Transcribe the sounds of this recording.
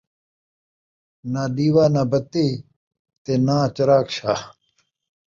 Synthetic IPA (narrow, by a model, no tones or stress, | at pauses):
naːɗiːwaːnaːbɐt̪eː | t̪enãːt͡ɕɐɾaːkɕaː